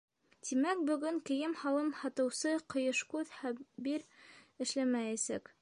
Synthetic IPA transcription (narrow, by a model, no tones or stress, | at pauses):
t̪imæk̚bɵ̆ɡɵŋkɘ̆jɘmhɑw̪ˠɤmhɑt̪ɤ̆wsɤqɤ̆jɤʃkʉðhæbiɾɘ̆ʃlæmæjæsæ̰k